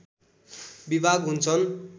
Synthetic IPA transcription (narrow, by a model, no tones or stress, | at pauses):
bibʱaɡɦunt͡sʰʌn